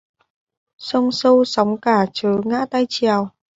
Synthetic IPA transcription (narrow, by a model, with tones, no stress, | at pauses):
sə˧wŋ͡msə˧wsɔ˨˦wŋ͡mkaː˧˩t͡ɕəː˨˦ŋa̰ː˧˥t̪a˧jt͡ɕi˨˩ə˨w